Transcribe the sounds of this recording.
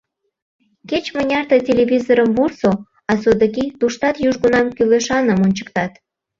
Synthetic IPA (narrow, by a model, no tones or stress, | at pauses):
ket͡ɕmə̆nʲɑrt̪ətʲelʲeβʲizoɾəmvurso | ɑsod̪əkit̪uʃt̪ɑt̪juʒɣonɑmkyleʃɑnəmonʲt͡ɕə̥k̚t̪ɑt̪